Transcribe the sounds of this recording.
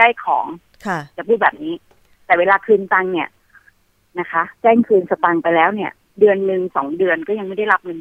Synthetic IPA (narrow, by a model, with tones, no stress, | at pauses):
ka˥˩jkʰɔ̰ː˩˦ŋ | kʰt͡ɕaː˨˩pʰuː˥˩t̚bɛː˨˩p̚niː˦˥ | t̪ɛː˨˩weː˧laː˧kʰɯː˧nt̪a˧ŋni˥˩ɐ | na˦˥kʰa˦˥t͡ɕɛː˥˩ŋkʰɯː˧nsa˧t̪a˧ŋpa˧jlɛː˦˥wni˥˩ɐ | dɯ˧ənːɯ˧ŋsɔ̰ː˩˦ŋdɯ˧ənkɔː˥˩ja˧ŋma˥˩jda˥˩jla˦˥p̚ŋɯ˧n